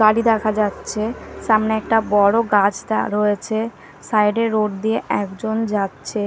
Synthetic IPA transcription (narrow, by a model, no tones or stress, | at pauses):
ɡaɽid̪ɛkʰad͡ʑatːɕʰeʃamneɛk̚ʈabɔɽoɡad͡ʑʈa̰ɾojet͡ɕʰe | sajɖeɾːoʈ̚d̪ieʔɛkd͡ʑond͡ʑatːɕʰe